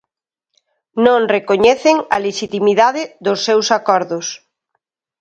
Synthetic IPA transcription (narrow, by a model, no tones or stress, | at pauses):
nõŋrekoɲɛθɪŋɐ̰leʃit̪imiðaðɪðʊsːewsakɔɾðʊs